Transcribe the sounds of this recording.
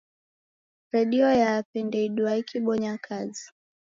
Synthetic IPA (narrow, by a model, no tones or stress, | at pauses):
ɾɛɗiɔjapɛndɛiɗuaikiɓɔɲakʰazi̥